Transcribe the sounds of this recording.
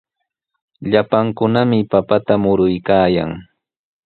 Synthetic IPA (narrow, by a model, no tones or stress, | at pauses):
ʎapaŋkʊnamɪpapat̪amʊɾʊjkaːja̰ŋ